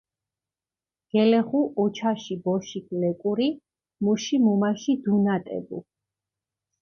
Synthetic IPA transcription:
ɡ̥ɛlɛχuʔɔt͡ʃʰaʃibɔʃikʰlɛkʼuɾi | muʃimumaʃid̪unat̪ʼɛ̰bṵ

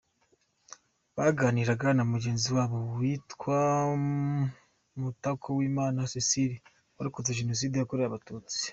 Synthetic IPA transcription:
βaɡaːniɾaɡanamuɟe̞ːnziwaːβo̞wwiːtkwa | mutakʰowiːmaːnasisiɾi | waɾikuzeʒeno̞s̬iːdejakoɾejaβatuːt͡si̥

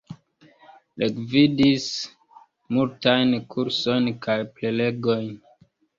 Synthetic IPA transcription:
lʔekvidis | multajnkʰuɾso̞jnkajplele̞ɡo̞jn

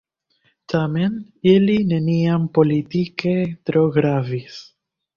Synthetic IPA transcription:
t̪amen | elineniampolit̪iket̪ɾoɣɾavis

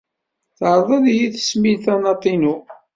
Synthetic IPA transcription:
θʕɾˤðˤɑðjiθə̥smilθænɑt̪ˤːinu

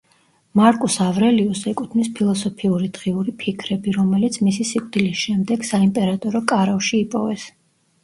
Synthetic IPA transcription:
maɾkʼusavɾɛliusɛkʼut̪ʰnispʰilˠɔsɔpʰiuɾid̪ʁiuɾipʰikʰɾɛbiɾɔmɛlit̪sʰmisisikʼd̪̥ilisʃɛmd̪ɛɡ̥saimpʼɛɾat̪ʼɔɾɔkʼaɾafʃiːpʼɔvɛs

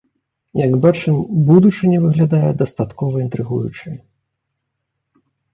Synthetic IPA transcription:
jɐɡbat͡ʂɨmbud̪ut͡ʂɨnʲɛvɨɣlʲad̪ajɛd̪ɐst̪at̪kɔvɐint̪ɾɨɣujṵt͡ʂɨ

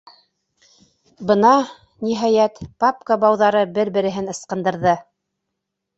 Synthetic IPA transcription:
bɤnɑ | niɦɑjæt̪papkəbɑwðɑɾɤbɘɾbɘ̆ɾɘ̆ɦɘnɤ̆sqɤ̆nd̪ɤ̆ɾðɤ

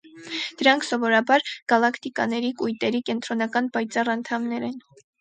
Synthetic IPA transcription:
d̪̥əɾɑŋkʰsɔvɔɾɑbɑɾɡ̥ɑlɑkt̪ikɑ̰nɛɾikujt̪ɛɾikɛnt̪ɾɔnɑkɑnpɑjt͡sɑrɑnt̪ʰɑmnɛɾɛn

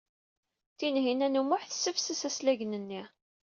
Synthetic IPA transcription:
θinɦinænumʊħθəsːəfsəsæslæʝnənːi

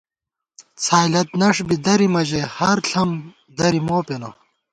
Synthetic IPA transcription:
t͡sʰaːjlɐt̪̚nɐʂbid̪ɐɾimɐʑehɐɾɬʰɐm | d̪ɐɾimoːpeno

